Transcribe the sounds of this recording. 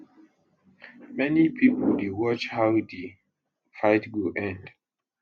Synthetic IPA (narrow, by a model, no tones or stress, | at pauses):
mɛnipʰipəldewɔt͡ʃhawde | faɪtɡuʔɛ̃nd̥